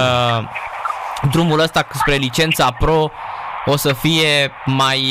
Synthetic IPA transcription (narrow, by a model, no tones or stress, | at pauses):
d̪ɾumuləst̪aspɾe̞lit͡ʃe̞nt̪sapɾo̞osəfije̞maj